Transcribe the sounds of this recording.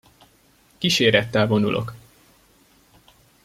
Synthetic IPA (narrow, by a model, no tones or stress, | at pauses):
kiʃeːɾɛt̪ːɛlvo̞nṵlʔo̞̰k